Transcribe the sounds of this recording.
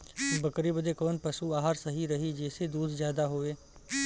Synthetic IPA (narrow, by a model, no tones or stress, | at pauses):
bəkɾibəd̪ekɔːnpɐsuaːɦaɾsɐɦiɾɐɦid͡ʒɛːsed̪uːd̪ʱzjaːd̪aɦoːʋeː